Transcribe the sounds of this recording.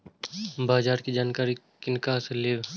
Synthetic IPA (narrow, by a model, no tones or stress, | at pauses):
baːd͡ʒaːɾkid͡ʒaːnkaːɾi | kɪnɪkaːseleːʋ